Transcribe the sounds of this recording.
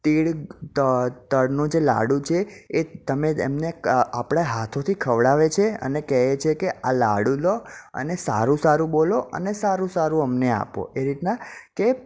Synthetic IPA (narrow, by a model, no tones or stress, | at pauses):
t̪iɭ | t̪əɽnũd͡ʒela̰ɽũt͡ʃʰeːt̪əmeḛmneapɽ̃aɦat̪ʰot̪ʰikʰəʋɭaʋet͡ʃʰeə̰nekɛɦet͡ʃʰekeʔalaɽuloə̰nesa̰ɾũsaɾũboloʔə̰nesaɾũsaɾũəmnea̰po̰eɾit̪nake